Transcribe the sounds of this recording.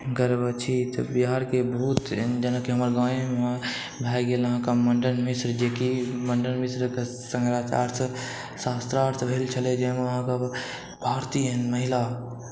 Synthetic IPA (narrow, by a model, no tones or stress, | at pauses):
ɡəɾbət͡ʃʰit̪obiɦaːɾkebʱuːt̪ɦnd͡ʒənəkeɦəməɾɡãːẽ | bʱaːjɡeləɦãkaməɳɖənmɪsɾd͡ʒekiməɳɖənmisɾk | səŋɡɾaːt͡ʃa̰ːɾt̪ | saːst̪ɾaːɾt̪ʰbʱelt͡ʃʰəled͡ʒemeʋəɦãka | bʱaːɾt̪iɦənməɦɪla